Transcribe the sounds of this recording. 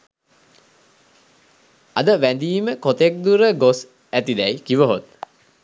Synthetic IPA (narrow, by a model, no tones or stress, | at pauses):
ad̪əʋænd̪iːməkot̪ek̚d̪uɾəɡos | æt̪id̪ɛjkiʋəɦot̪̚